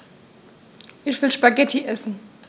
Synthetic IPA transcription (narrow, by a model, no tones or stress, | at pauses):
ʔɪçv̥ɪlʃpaɡɛtʰiʔɛsn̩